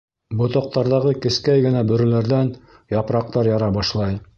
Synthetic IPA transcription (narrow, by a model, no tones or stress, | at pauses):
bŏt̪ŏq̚t̪ɑɾðɑʁɤkɘ̆skæjɡɘ̆næbɵ̆ɾɘ̆læɾðæn | jɑpɾɑq̚t̪ɑɾjɑɾɑbɑʃlˠɑj